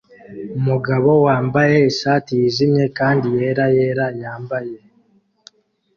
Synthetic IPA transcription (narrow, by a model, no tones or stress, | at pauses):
umuɡaβo̞waːmbaje̞iʃaːtiizimɲe̞kaːndije̞ɾaje̞ɾajaːmbaje̞